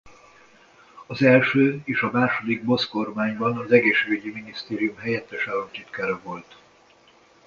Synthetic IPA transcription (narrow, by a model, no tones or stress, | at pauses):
ɒzɛlʃøːeːʃɒmaːʃo̞d̪iɡ̚bo̞sko̞rmaːɲbɒnɒzɛɡeːʃeːɡøɟiminist̪eːɾijumɦɛjɛt̪ːɛʃaːlont̪it̪kaːɾɒvo̞lt̪